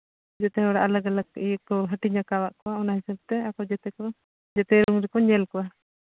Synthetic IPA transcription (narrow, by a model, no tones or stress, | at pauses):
d͡ʒɛt̪ɛɦɔɽaʔalaɡalakiɛkɔɦəʈiɲakawaʔkɔaɔnaɦisab̚t̪ɛakɔd͡ʒɛt̪ɛkɔ | d͡ʒɛt̪ɛɾuŋɾɛkɔɲɛlkɔwa